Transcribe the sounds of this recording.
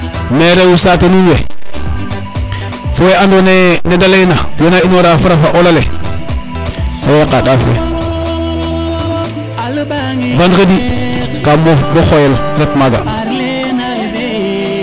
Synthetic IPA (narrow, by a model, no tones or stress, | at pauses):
meɾewusatenuwe | fojeandonenedalenajonainoɾafuɾafaʔolalḛ | fowekaɗafḛ | vandkedikamoboxojelɾetmaɡa̰